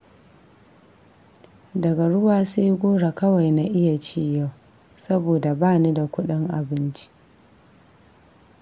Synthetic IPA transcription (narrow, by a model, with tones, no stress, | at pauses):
dɐ˨ɡa˨ɽʊ˦waː˨se˦jɡʷoː˦ɽa˨kɐ˦wa˨jna˨ʔɪ˦ja˨t͡ʃiː˦ja˦˨w | sɐ˦boː˨da˨baː˦˨niː˦da˨kʷʊ˦ɗɪ˦ŋʔa̰˨bɪ˦nt͡ʃi̥˦ʔ